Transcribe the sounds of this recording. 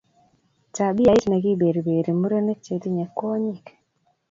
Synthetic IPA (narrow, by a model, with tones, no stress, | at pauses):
t͡ʃa˨bi˦ja˨ɪ˦tna˨ɡi˦be˨ɾbe˨ɾe˨mu˦ɾo˦ne˦k̚t͡ʃe˨t̪i˦ɲa˨kːo˦ɲi˦˨k